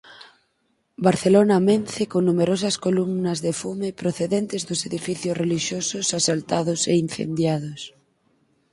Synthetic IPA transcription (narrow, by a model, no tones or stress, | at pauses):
baɾθelonɐmenθɪkoŋnumeɾos̬ɐskolumnɐzðefumɪpɾoθeðɛnt̪ɪzðʊseðifiθjʊsreliʃjosʊsasalt̪aðʊseinθḛnd̪jaðʊs